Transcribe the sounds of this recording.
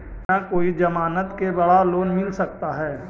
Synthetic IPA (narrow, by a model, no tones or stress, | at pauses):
t̪nakoːid͡ʒɐmaːnət̪kebɐɽaloːnmɪlsɐk̚t̪aɦɛː